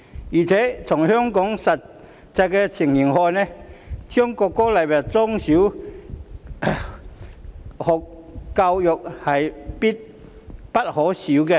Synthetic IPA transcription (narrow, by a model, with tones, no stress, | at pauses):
jiː˨˩t͡sʰɛː˨˥t͡sʰʊ˨˩ŋhœ˥ŋkɔ˨˥ŋsɐ˨t | t͡sɐ˧jkɛ˧t͡sʰi˨˩ŋji˨˩ŋhɔː˧nɛ˥tʰy˥ŋkɔː˧kːɔ˥lɐ˨˩jwɐ˨˩t̚t͡sɔ˥ŋsiː˨˥w | hɔ˨kkɐ˧wjʊ˨k̚hɐ˨jpi˥t̚ | pɐ˥t̚hɔː˨˥siː˨˥wkɛ˧